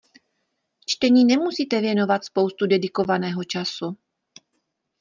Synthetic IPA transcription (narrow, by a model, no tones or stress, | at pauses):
t͡ʃt̪ɛɲiːnɛmusiːt̪ɛvjɛno̞vat̪spo̞wst̪udɛdɪko̞vanɛːɦo̞t͡ʃasu